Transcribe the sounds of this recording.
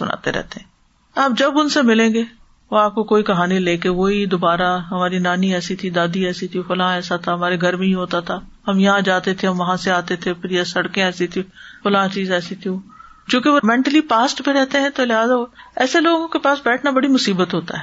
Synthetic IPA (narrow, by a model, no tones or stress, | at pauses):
sʊ̰na̰ːt̪ḛɾɛ̰ɦt̪eɦɛ̃ː | aːp̚d͡ʒɐbʊnsemɪlẽːŋɡe | oaːp̚kokoːikɐɦaːnileːkeʋoɦid̪oːbaːɾaɦɐmaːɾinaːniɛːsit̪ʰid̪aːd̪iɛːsit̪ʰifʊlãːɛːsat̪ʰaɦɐmaːɾeɡʱɐɾmẽɦĩɦoːt̪at̪ʰaːhɐmjɐɦãd͡ʒaːt̪et̪ʰeɐmʋɐɦãseaːt̪et̪ʰepɾiːasɐɽkẽɛːsit̪ʰifʊlãːt͡ʃiːzɛːsit̪ʰio | d͡ʒõːkeʋomɛ̃ːɳʈəlipaːsʈbẽɾɛɦt̪eɦɛ̃t̪olɪɦaːzaɛ̰ːseloːɡõkepaːsbɛːʈʰnabɐɽimʊsiːbət̪ɦoːt̪a̰ɦɛː